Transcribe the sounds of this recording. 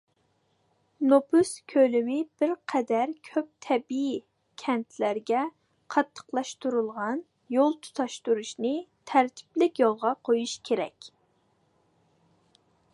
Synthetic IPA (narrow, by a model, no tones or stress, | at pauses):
nopʰuskʲʰølymɪb̥ɪɾqʰɛd̪æɾkʲʰøp̚t̪ʰɛbi | kʲʰɛnt̪ʰlæɾɡʲɛ | qʰɑt̪ʰːə̥qlˠɑʃt̪uɾulˠʁɑn | jolˠt̪ʰu̥t̪ʰɑʃt̪uɾuʃnɨt̪ʰæɾt̪ʰɪ̥plɪkʲjolˠʁɑqʰojuʃkʲʰeɾɛ̰kʲ